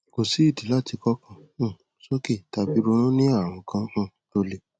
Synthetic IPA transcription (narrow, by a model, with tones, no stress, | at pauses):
ko˨si˨˦i˦˨di˨˦la˦˨ti˧kɔ˦kã˧˦˨ | so˦ke˦˨ta˧bi˧˦ɾo˧˦ɾ̃õ˦nĩ˦a˦˨w̃ɔ̃˧kã˧˦˨ | to˧le˧